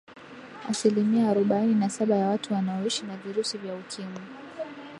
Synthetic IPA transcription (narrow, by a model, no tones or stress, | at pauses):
a̰silimiaːɾɔɓaininasaɓajawatuwanaɔiʃinaviɾusivjaukʰimu